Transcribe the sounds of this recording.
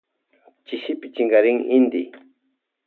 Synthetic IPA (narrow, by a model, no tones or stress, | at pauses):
t͡ʃɪʃɪpɪt͡ʃɪŋɡaɾɪŋɪnd̪ɪ